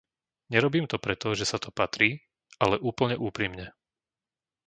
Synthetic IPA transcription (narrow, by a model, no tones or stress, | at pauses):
ɲɛɾɔbiːmt̪ɔpɾɛt̪ɔʒɛsat̪ɔpat̪ɾiː | alɛʔuːpl̩ɲɛʔuːpɾimɲɛ